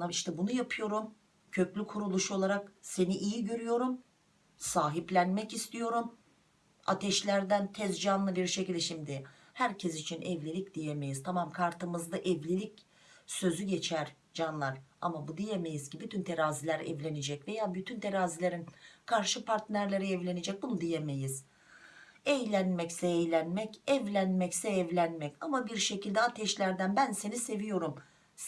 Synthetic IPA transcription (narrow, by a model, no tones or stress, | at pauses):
amiʃt̪ʰɛbunujapʰɯjo̞ɾum | cʰø̞clʲykʰuɾulˠuʃo̞lˠaɾakse̞niʔijiɟø̞ɾyjo̞ɾum | saːɦiplʲænmɛcist̪ʰijo̞ɾum | a̰t̪ʰɛʃlʲæɾd̪ænt̪ʰɛzd͡ʒanlˠɯbiɾʃecilʲd̪ɛʃimd̪ɪ | hæɾcʰɛs̬it͡ʃʰinʔɛvlʲilʲic̚d̪̥ijeme̞jizt̪ʰamamkʰaɾt̪ɯmɯzd̪ˠaʔɛvlʲilʲic | sø̞zyɟe̞t͡ʃʰæɾ | d͡ʒanlˠaɾa̰mabud̪ijeme̞jiz̥cibyt̪ʰynt̪ʰeɾaːzilʲæɾɛ̰vlʲe̞nid͡ʒɛcve̞jaːbyt̪ʰynt̪ʰeɾaːzilʲe̞ɾinkʰaɾʃɯpaɾt̪ʰnæɾlʲeɾiɛvlʲe̞nid͡ʒɛc̚bunud̪ijemejiz̥ | ɛjlʲænmɛcsɛːjlʲænmɛcɛvlʲænmɛcsɛɛvlʲænmɛcamabiɾʃe̞cilʲd̪ɛat̪ʰɛʃlʲæɾd̪ænbænse̞nise̞vijo̞ɾum